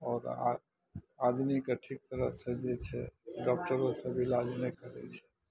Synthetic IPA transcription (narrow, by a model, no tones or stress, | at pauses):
ɔːɾ̰ | ad̪mikeʈʰik̚t̪əɾəsẽd͡ʒet͡ʃʰɛɖɔk̚ʈəɾosə̃bʱilad͡ʒnekəɾɛ̰t͡ʃʰɛ̥